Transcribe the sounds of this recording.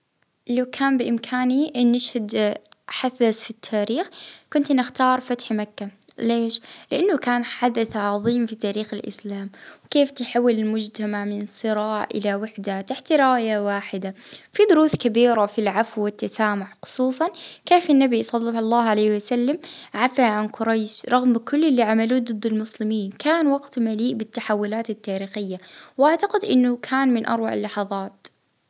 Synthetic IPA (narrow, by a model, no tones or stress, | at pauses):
lawkʰaːmbɪʔɪmkʰaːniʔɪnːɪʃhad̪ħaθːazfit̪ʰːaːɾiːxkʊnt̪nɪxt̪ɑːɾˤfat̪ħmakːaleːʃlɪʔanːakaːnħad̪aθʕɑðˤiːmfit̪aːɾiːxɪlʔɪ̰slaːmwkeːft̪ɪħawːɪlɪlmʊd͡ʒt̪amaʕmɪnsˤɨɾɑːʕʔɪ̰lawɪħd̪at̪aħt̪ɾɪaːjawaːħɪd̪afid̪ʊɾuːθkabiːɾafilʕafwːɪt̪ːasaːmʊʕxʊ̥sˤuːsˤɑnkeːfanːabisˤɑd̪ˤːɑbɑlˤːɑːʕalejːhwasalːamʕafaʕankʊɾˤajʃɾˤɑɣmkʊlːɪlːiʕamaluːd̪ˤɨd̪ːɪlmʊslɪmiːnkʰaːnwɑɡt̪maliːʔbɪt̪ːaħawːʊlaːt̪at̪ːaːɾiːxɪjːawʔaʕt̪aqɪd̪ʔɪ̰nːʊkʰaːnmɪnʔɑ̰ɾˤwaʕɪ̰lːɑħɑðˤɑːt̪